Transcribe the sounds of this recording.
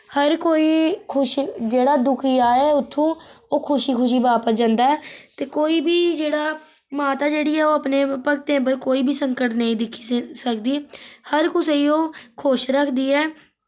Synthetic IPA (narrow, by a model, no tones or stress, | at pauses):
həɾkoːiːkʰʊʃd͡ʒeːɽaːd̪ʊkʰijaːɛːʊt̪ʰːũːoːkʰʊʃiːkʰʊʃ̬iːbaːpəsd͡ʒãːnd̪aːɛːt̪eːkoːiːbʱiːd͡ʒeːɽaː | maːt̪aːd͡ʒeːɽiːɛːoːəpneːpəkt̪ẽːp̬əɾkoːiːbʱiːsəŋkəʈnəĩːd̪ɪkʰːi̥səkd̪iːhəɾkʊsiːoːkʰoʃɾəkʰd̪iːɛː